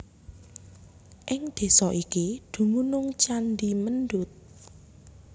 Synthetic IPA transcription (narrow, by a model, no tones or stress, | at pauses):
ʔɪŋd̪̥e̤sɔʔikid̪̥ṳmunʊŋt͡ʃanɖimənɖʊt̪̚